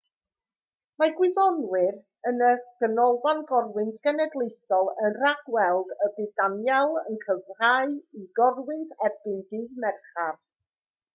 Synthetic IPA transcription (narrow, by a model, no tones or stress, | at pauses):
maɡwɪðɔnwɪɾ | ənəɡ̥ənɔlvanɡɔrwɪntʰɡ̥ɛnɛdlˠejθɔlˠənraɡ̥wɛlˠɡəbɨdanjalˠənkʰəvraɨiɡɔrwɪntʰɛbɪndɪðmɛrχar